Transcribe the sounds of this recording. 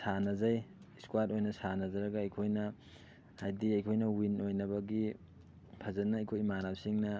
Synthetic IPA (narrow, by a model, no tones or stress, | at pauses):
sanɐzɐj | skwatojnɐsanɐzɐɾɐɡɐːjkʰojnɐ | hajdiɐjkʰojnɐwinojnɐbɐɡi | pʰɐzɐnɐːjkʰojmanawsiŋnɐ